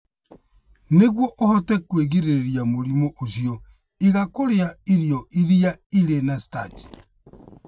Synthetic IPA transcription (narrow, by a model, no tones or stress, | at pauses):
neɣwɔʔohɔtɛkweɣiɾeɾiamoɾimɔʔos̬jɔ | iɣakoɾeaiɾjɔiɾiaiɾenasi̥tat͡ʃi̥